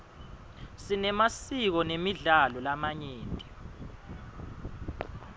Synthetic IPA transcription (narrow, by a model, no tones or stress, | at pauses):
sinɛmasik̬ɔnemiɮalɔlamaɲeːntʼi